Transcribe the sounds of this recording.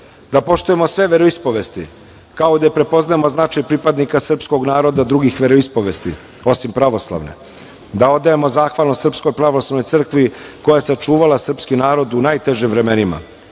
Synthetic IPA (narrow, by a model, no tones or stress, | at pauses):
d̪apo̞ʂt̪uje̞mo̞sʋe̞ʋe̞ɾo̞ispo̞ʋe̞st̪ḭ | kaod̪ajepɾe̞po̞znajemo̞znat͡ʃajpɾipad̪nikasr̩psko̞ɡnaːɾo̞d̪ad̪ɾuɡixʋe̞ɾo̞ispoʋe̞st̪ḭ | o̞simpɾaʋo̞slˠa̰ʋne̞̰ | d̪ao̞d̪ːajemo̞zaːxʋalnosr̩psko̞jpɾaʋoslaʋno̞j̪sr̩kʋiko̞jajeseot͡ʃuːʋalasr̩pskinaːɾo̞d̪unajt̪e̞ʒimvɾe̞me̞nima̰